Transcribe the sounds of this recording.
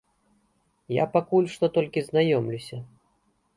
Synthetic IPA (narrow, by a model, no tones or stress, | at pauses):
ja̰pakulʲʂt̪ɔt̪ɔlʲkʲiznajɔmlʲusʲɐ